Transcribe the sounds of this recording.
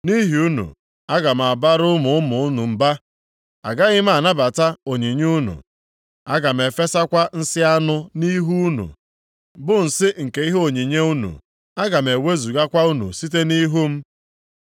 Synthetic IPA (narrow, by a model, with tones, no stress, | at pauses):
ni˦ɦi˨u˦nṵ˨ | a˦ɡa˨m̩˨a˨ba˦ɾʊ˦mʊ˨ʊ˦mʊ˨ʊ˦nu˨m̩˨ba˦ | a̰˨ɡa˦ɣɪ˦m̩˦a˨na˦ba˨ta˦o˨ɲi˨ɲu˦nṵ˨ | a˦ɡa˨m̩˨e˨fe˦sa˦kʷa˦n̩˦sɪ˦a˦nʊ˦ni˦ɦu˦u˦nṵ˨ | bʊ˦n̩˨sɪ˦ŋ̩˨ke˦i˦ɦe˦o˨ɲi˨ɲe˦u˦nṵ˨ | a˦ɡa˨m̩˨e˨we˦zu˨ɡa˦kʷa˦u˦nṵ˨si˦t̬e˦ni˦ɦu˦m̩˦